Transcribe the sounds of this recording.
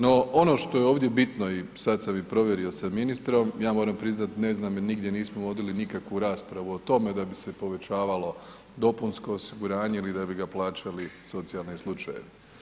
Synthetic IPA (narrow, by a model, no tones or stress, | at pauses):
no̞ʔo̞no̞ːʃt̪o̞jeo̞ːʋd̪je̞bit̪no̞isad̪samipɾo̞ʋje̞ɾio̞saminist̪ɾo̞mjaːmo̞ːɾampɾiznat̪ne̞znaːminiɡd̪ʲjeniːsmoʋo̞d̪ilinikakʋuɾaːspɾaʋuot̪o̞me̞d̪abise̞po̞ʋe̞t͡ɕaːʋalo̞ | d̪o̞punsko̞ːsiɡuɾaːɲe̞ilid̪abiɡaplˠaːt͡ʃaliso̞t̪sijalˠnislˠut͡ʃaje̞̰ʋi